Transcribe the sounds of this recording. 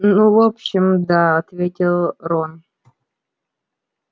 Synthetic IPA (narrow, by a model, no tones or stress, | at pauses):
nuvopɕɪmd̪aɐt̪vʲetʲɪlˠɾon